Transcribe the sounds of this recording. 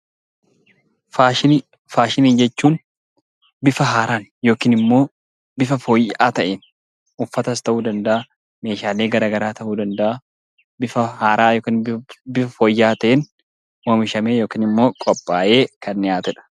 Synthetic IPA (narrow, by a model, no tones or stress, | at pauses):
f | faːʃɪniːnd͡ʒɛt͡ʃːuːn | bɪfɐɦaːɾaːnjo̞ːkɪːnɪmːo̞ː | bɪfɐfoːjʔaːt̪ɐʔeːn | ʔʊfːɐt̪ɐst̪ɐʔuːd̪ɐnd̪ɐʔaː | me̞ːʃaːleːɡɐɾaːɡɐɾaːt̪ɐʔuːd̪ɐnd̪ɐʔa | bɪfɐhaːɾaːjoːkɐnbɪfɐfoːjːaːt̪ɐʔeːn | moːmɪʃɐmeːjo̞ːkɪnɪmːo̞ːkʼɔpʼːaːʔeːkɐnːɪjaːt̪ɛᶑɐ̥